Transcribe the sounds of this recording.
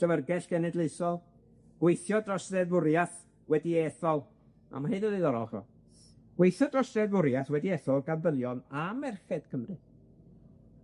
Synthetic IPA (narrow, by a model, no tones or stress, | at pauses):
əvərɡɛɬɡ̥ɛnɛdleɨsɔlˠ | ɡ̥wejθjɔdrɔsrɛðvʊɾjaθ | wɛdiɛθɔlˠ | a̰mahɨnəðɨðɔɾɔχɔ̰ | ɡ̥wejθjɔdrɔsrɛðvʊɾjaθwɛdiɛːθɔlˠɡandəlˠjɔnamɛrχɛd̥kʰəmrɨ